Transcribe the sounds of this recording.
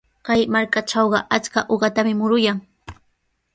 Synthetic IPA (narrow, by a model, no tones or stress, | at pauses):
kajmaɾkaʈ͡ʂɑwɢɑʔat͡skaʔoɢɑt̪amɪmʊɾʊjaŋ